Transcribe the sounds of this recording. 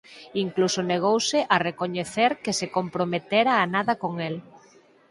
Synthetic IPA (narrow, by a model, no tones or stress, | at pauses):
iŋklusoneɣ̞owsɪʔarekoɲeθeɾkɪsekompɾomet̪eɾaːnaðɐkoŋel